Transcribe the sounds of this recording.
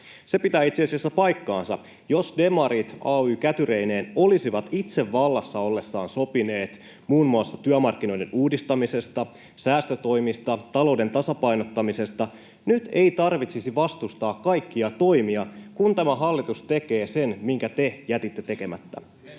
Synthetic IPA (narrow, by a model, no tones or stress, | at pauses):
se̞pit̪æːit̪siɑsiæsːæpɑjkːɑːnsɑ̰ | jo̞sde̞mɑɾit̪ɑːyːkæt̪yɾe̞ine̞ːno̞lisiʋɑt̪it̪se̞ʋːɑlːɑsːɑolːe̞sːɑːnso̞pine̞ːt̪ | muːnmuɑsːɑt̪yœmɑrk̟ːino̞jde̞nuːdist̪ɑmise̞st̪ɑ | sæːst̪øt̪o̞jmist̪ɑt̪ɑlo̞wde̞nt̪ɑsɑpɑjno̞t̪ːɑmise̞st̪ɑ | nyt̪e̞jt̪ɑrʋit̪sisiʋɑst̪ust̪ɑːkːɑjkːiɑt̪o̞jmiɑkunt̪æmæɦɑlːit̪ust̪e̞ke̞ːse̞nmiŋkæt̪e̞jæt̪it̪ːe̞t̪e̞ke̞mæ̰t̪ːæ̰